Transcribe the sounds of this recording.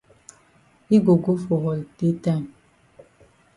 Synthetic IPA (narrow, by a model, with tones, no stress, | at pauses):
i˦ɡo˨ɡo˦fo˨ɦɔ˨lte˦ta˦˨n